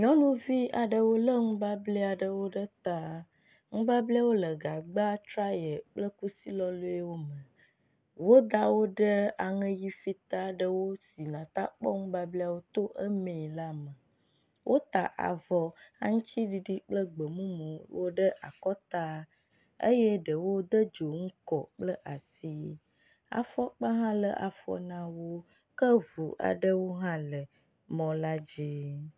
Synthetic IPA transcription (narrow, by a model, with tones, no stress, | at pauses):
ɲɔ̃˦nũ˦vi˦a˨ɖə˨wo˦lə˦ŋũ˦ba˦blɛ˦a˨ɖə˨wo˦ɖə˦t̪a˦ | ŋũ˦ba˦blɛ˦a˦wo˦lə˨ɡa˨ɡ͡ba˦t̪ɾa˦jə˨k͡plə˦ku˦si˦lɔ˦lo˦e˦wo˦mə̃˨ | wo˦d̪a˦wo˦ɖə˦a˨ŋə̃˦ji˦fi˦t̪a˦ɖə˨wo˦si˨nã˨t̪a̰˦k͡pɔ̰˦ŋũ˦ba˦blɛ˦a˨wo˦t̪o˦ʔə˦mẽ˨la˦mə˨ | wʔo˦t̪a˨ʔa̰˨vɔ˨ã˦ŋũ˦t͡ɕi˦ɖi˨ɖi˦k͡plə˦ɡ͡bə˨mũ˦mə̃˨wo˦ɖə˦ʔa˨kɔ˦t̪a˦ | ə̰˦jɛ˦ɖə˨wo˦d̪ə˦d͡ʒo˨ŋ̩˦kɔ˨k͡plə˦ʔa˨si˦ | a̰˨fɔ˦k͡pə˦ɦã˦lə˨ʔa̰˨fɔ̰˦nã˦wo˦ | kə˦vu˨ʔa̰˨ɖə˦wo˦ɦã˦lə˨ | mɔ̃˨la˦d͡ʒi˦